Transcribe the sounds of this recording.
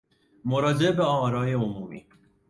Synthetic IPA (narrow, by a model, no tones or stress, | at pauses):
moɾɒːd͡ʒebeɒːɾɒːjeomuːmḭː